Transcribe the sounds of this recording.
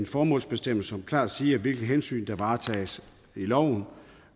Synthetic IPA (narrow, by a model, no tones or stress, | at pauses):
nfɒːmɔ̰lsb̥e̝sd̥em̰l̩səsɒ̽mkʰlɑ̰̈ːd̥siːæʋe̝lɡ̥əð̩ɦensy̰ːnd̥ɑ̈ʋɑ̈ːt͡sʰɛ̰ːs | ilɒʊ̰n̩